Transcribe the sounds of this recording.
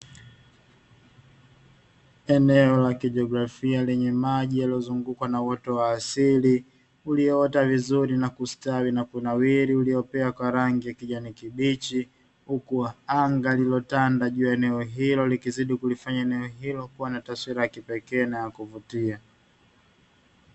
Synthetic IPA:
ɛnɛɔlakiʄɔɡɾafialɛɲɛmaʄijaliɔzuŋɡukwanawɔtɔwaːsili | uliɔɔtavizuɾinakustawinakwunawiɾiuliɔpɛakwaɾaŋɡijakiʄanikiɓit͡ʃi | hukuaaŋɡalilɔtandaʄujaɛnɛɔɦilɔlikiziɗikulifaɲaɛnɛɔɦilɔkuwanataswiɾajakipɛkɛːnajakuvutia

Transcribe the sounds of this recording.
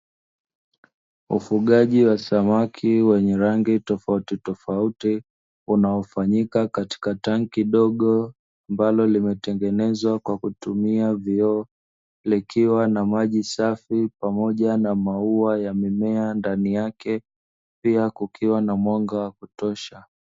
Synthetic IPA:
ṵfuɠaʄiwasamakʰiwɛɲɛɾaŋɡitɔfautitɔfauti | unaɔfaɲikakati̥kataŋkiɗɔɠɔ | ambalɔlimɛtɛŋɡɛnɛzwakwakutumiaviɔ | likʰiwanamaʄisafipamɔʄanamauajamimɛandanijakɛ | piakukʰiwanamwaŋɡawakutɔʃa

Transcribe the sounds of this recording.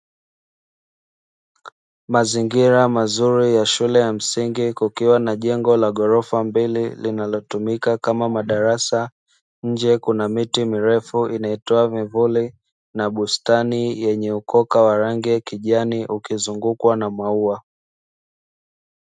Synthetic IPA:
maziŋɡiɾamazuɾijaʃulɛjam̩siŋɡikukiwanaʄɛŋɡɔlaɠɔɾɔfambililinalɔtumikakamamaɗaɾasa | ɲ̩d͡ʒɛkunamitimiɾɛfuʔinaɛtɔavivuli | naɓustanijɛɲɛukɔkawaɾaŋɡɛkiʄaniʔukizuŋɡukwanamwaua

